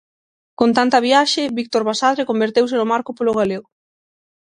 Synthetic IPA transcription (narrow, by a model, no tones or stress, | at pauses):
kont̪ant̪ɐβiaʃɪβik̚t̪oɾβasaðɾekombeɾt̪ewsɪnʊmaɾkʊpolʊɣaleɣʊ